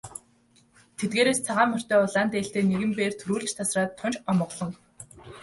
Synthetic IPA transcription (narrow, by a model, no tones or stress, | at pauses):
t̪ʰet̪̚ɡeːɾeːst͡sʰaʁaːmœr̥ʲt̪œːʊɮaːnt̪eːɬt̪eːneɣɘ̆mpeːrt̪ʰɵɾuːɮɘ̆t͡ɕt̪ʰasraːt̪ʰːʊnt͡ɕɔmə̆ʁɮ̥ɞ̆ŋ